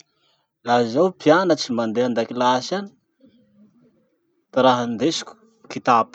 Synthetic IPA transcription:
lazawpjanət͡simand̪eand̪akilasani̥ | t̪iɾaɦand̪esi̥kʲu̥ | kit̪ap

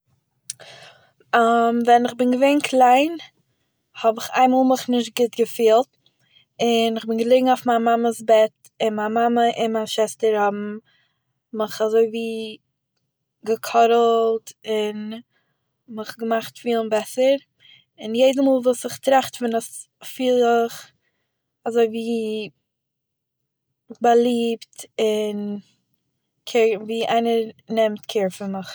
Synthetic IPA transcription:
amvɛnɪχbɪnɡəveɪnkʰlˠaɪn | hɔbɪχa̰ɪmɔːlˠmɪχnɪʃ̬t̚ɡɪtɡəfiːlˠt | ɪnɪχbɪnɡəlˠɪɡŋ̩aʊfmanmaməsbɛt | ɪnmamaməʔɪnmanʃɛstəɾhɔbm̩ | mɪχazoɪviː | ɡəkʰɔɾl̩ˠtɪn | məχɡəmaχtfiːlˠənbɛsəɾ | ɪnjeɪdəmuːlˠvuːsɪχtɾaχtfɪnəs | fiːlˠɪχ | azoɪviː | bəlˠiːptɪn | kʰɪviːʔaɪnəɾnɛmtkʰeːɾfɪnmɪχ

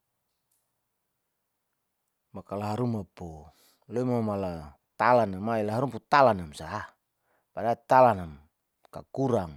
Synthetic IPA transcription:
makalaɦaɾumapo | loimamala | t̪alanamailaɦaɾumput̪alanamsa | padat̪alanam | ka̰kuɾaŋ

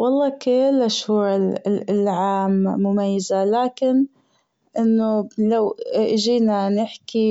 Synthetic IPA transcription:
wɑlˤːɑːkeːlʔaʃhuːɾɪllʕaːmːʊmajːazalaːkɪn | ʔɪnːʊlawʔɪʒiːnanɪħki

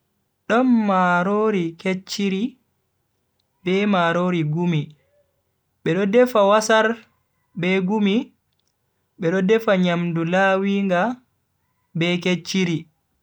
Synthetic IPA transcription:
ɗɔnːaɾoɾiket͡ʃːiɾi | bɛmaɾoɾiɡumi | ɓɛɗɔdɛfawasaɾ | bɛɡumi | ɓɛɗɔdɛfaɲamdulaːwiŋɡa | bɛket͡ʃːiɾi

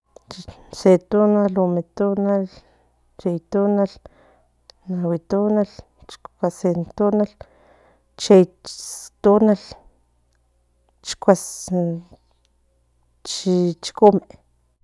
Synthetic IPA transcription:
t͡ʃi | set̪unalumet̪unal | t͡ʃejt̪unal | nawit̪unal | t͡ʃkʷasent̪unal | t͡ʃejt̪unal | t͡ʃkʷas | t͡ʃit͡ʃi̥kume

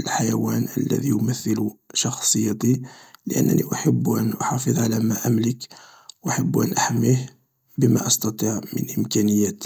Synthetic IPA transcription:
əlħajæwænʔə̰lːæ̰d̪ijʊməθːəluʃɑxsˤəjːɑt̪iləʔə̰nːə̰niʔaħəbːʔənʔʊħɑfəðˤʕalæmæʔamlək | wʔaħəbːʔæ̰nʔaħmih | bəmæʔɑst̪ɑt̪ˤiʕmə̰nʔəmkænəjːæt̪

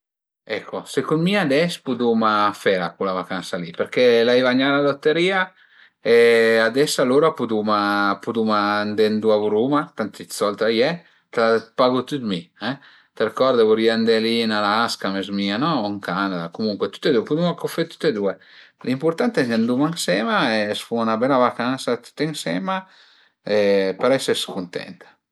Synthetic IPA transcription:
ɛkʰːosekunmiad̪ɛspud̪umafɛɾakulavakansalipeɾkɛlaivaɲːalad̪ɔt̪ːeɾiːa | ead̪ɛsaloɾapud̪umapud̪umaːnd̪ɛnd̪uavuɾumat̪ant̪it̪sɔlt̪ajɛ | kelapaɡut̪ut̪miɛ | t̪erkɔɾd̪avoɾiand̪ɛlinalaaskamezmianɔiŋkanad̪akomuŋkwɛt̪u̥t̪ːed̪uɛpud̪umakofet̪u̥t̪ːed̪uɛ | limpuɾt̪ant̪ɛnand̪umaŋsɛmaɛsfuunabɛlavakansat̪u̥t̪ːeŋsɛ̰ma | ɛpeɾɛsɛɾskunt̪ɛ̰nt̪ḁ

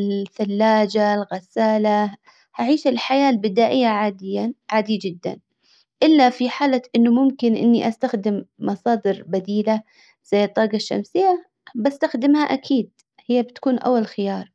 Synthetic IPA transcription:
ɪlθalːaːd͡ʒalɣasaːla | haʕiːʃɪlħajaːlbɪd̪aːʔɪjːaʕaːd̪ɪjːaʕaːd̪ijd͡ʒɪd̪ːa̰n | ʔɪlːafiħaːlaʔɪnːʊmʊmkɪnʔɪ̰nːiʔast̪axd̪ɪmːɑsˤɑːd̪ɪɾbad̪iːla | z̥ajːɨt̪ˤːɑːɡɑʃːa̰msɪjːa | bast̪axd̪ɪmhaʔakʰiːd̪̚ | hɪjːabɪt̪ḁkuːnʔa̰wːalxɪjɑːɾˤ

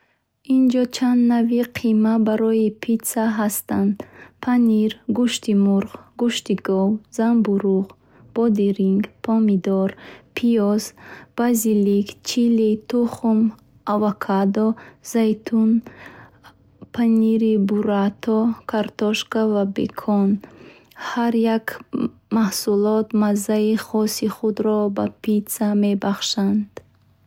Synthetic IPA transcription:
ind͡ʒɔt͡ʃʰand̪naviqʰimabaɾɔipʰit̪saɦast̪and̪pʰaniɾɡuʃt̪imuɾχɡuʃt̪iɡɔwzambuɾuʁ | b̥ɔd̪iɾiŋɡpʰɔmid̪ɔɾpʰiɔzb̥azilikt͡ʃʰilit̪ʰuχum | avakʰad̪ɔzajt̪ʰun | pʰaniɾibuɾat̪ʰɔkʰaɾt̪ɔʃkavabḛkʰɔn | haɾjakmahsulɔt̪mazːaiχɔsiχud̪ɾɔbapit̪same̞baχʃand̪̥

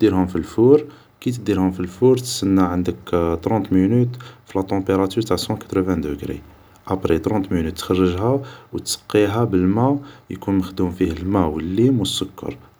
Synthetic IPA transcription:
d̪iɾhʊmfilfuɾ | kit̪əd̪iɾhʊmfilfuɾt̪sənːaʕənd̪əkt̪ɾɑ̃nt̪minyt̪filæt̪ɑ̃peɾˤɑt̪yɾt̪aʕsɑ̃kæ̥t̪ɾəvæ̃d̪əɡɾḭ | ʔæpɾit̪ɾɑ̃nt̪minyt̪ːxɑrˤːəʒɦæwt̪sə̥qːiɦæbəlmæjkunməxd̪umfihəlmæwəlːimwəsːʊkːɑ̰ɾˤ

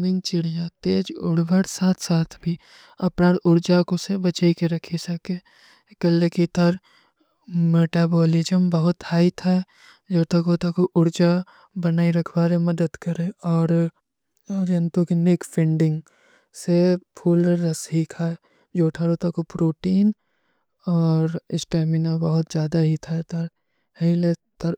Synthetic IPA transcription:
nɪ̃ŋɡt͡ʃɪɽd͡ʒat̪eːd͡ʒʊ̰ɽʋəɽsaːt̪ʰsaːt̪ʰbʱi | ɐpɾaːnʊɾd͡ʒakosebət͡ʃaːikeɾɐkʰesɐke | kəlekit̪əɾ | meːʈaːbɔːlɪd͡ʒəmbəɦʊt̪haːit̪ʰaɛ | d͡ʒoːt̪ɐkoːt̪akoʔʊɾd͡ʒa | bɐnaːiɾɐkʰbaːɾemɐd̪əd̪kɐɾẽɔːɾ | ɾent̪okinɪkpʰɪ̃ɳɖɪ̃ŋɡ | sepʰuːlːɐsɦiːkʰaɛ | d͡ʒoːʈʰaɾot̪ɐkopɾoːʈiːn | ɔːɾɪsʈeːmɪnabɐɦʊt̪d͡ʒjaːd̪aɦit̪ʰat̪ɐɾ | hilet̪ɐɾ

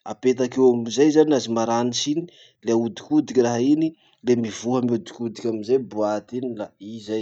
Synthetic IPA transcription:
apet̪akewamizajzanazimaɾanisini | leaud̪ikud̪ikʲiraɦaini | lemivuɦəmiud̪ikud̪ikʲamizajbuat̪inilaizaj

